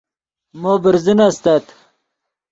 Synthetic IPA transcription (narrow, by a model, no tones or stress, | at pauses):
moːbɪɾzinast̪at̪